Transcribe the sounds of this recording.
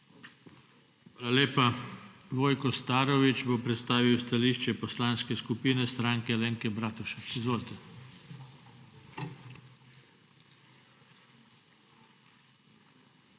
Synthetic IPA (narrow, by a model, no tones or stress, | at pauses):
alaleːpaʋoːjkɔst̪aːɾɔʋit͡ʃbopɾɛt̪st̪aːʋiwst̪aliːʃt͡ʃɛpɔslaːnskɛskupiːnɛst̪ɾaːŋkɛleːŋkɛbɾaːt̪uʃɛizʋoːlt̪ɛ